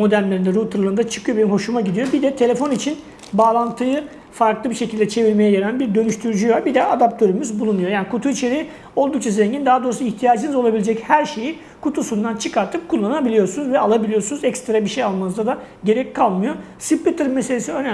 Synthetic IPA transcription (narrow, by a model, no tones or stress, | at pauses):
mo̞d̪ælʲlʲe̞ɾind̪ɛɾut̪ʰɯɾlˠɯnd̪at͡ʃʰɯ̥kʰɯjo̞benimho̞ʃumaɟid̪ijo̞bid̪ɛt̪ʰe̞lʲe̞fo̞nit͡ʃʰin | baːlˠant̪ʰɯjɯ | faɾklˠɯbiʃe̞cʰilʲd̪ɛt͡ʃʰe̞viɾme̞jɛjeɾænʲbiɾd̪ø̞nyʃt̪ʰyɾyd͡ʒyjaɾbid̪ɛad̪ap̚t̪ʰø̞ɾymyzbulˠunːujo̞jaːnikʰut̪ʰuit͡ʃʰe̞ɾi | o̞lˠd̪uk̚t͡ʃʰazeɲɟind̪aɦad̪o̞ːɾusuiçt̪ʰijaːd͡ʒɯnɯzo̞lˠabilʲed͡ʒɛchæɾʃe̞ji | kʰut̪ʰusund̪ant͡ʃʰɯkʰaɾt̪ʰɯp̚kʰulˠːanabilʲijo̞ɾsunuzvɛalˠabilʲijo̞ɾsunuzɛkst̪ɾabiʃejalˠmanɯzd̪ad̪a | ɟe̞ɾɛcʲkʰːalˠmɯjo̞ | sipʲit̪ʰɯɾɯmeseesiønæ